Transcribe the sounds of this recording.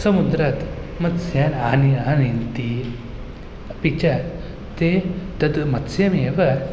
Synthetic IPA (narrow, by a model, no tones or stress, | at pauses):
sɐmud̪ɾat̪mɐt̪sjananianint̪i | pit͡ɕat̪ | t̪ed̪ɐd̪umɐt̪sjameʋɐɾ